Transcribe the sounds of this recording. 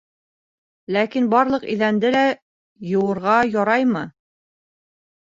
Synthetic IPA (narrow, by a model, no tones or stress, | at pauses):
lækinbɑɾlˠɤ̆qḭðænd̪ɘlæ | jɤ̆wɤ̆ɾʁɑjɑɾɑjmɤ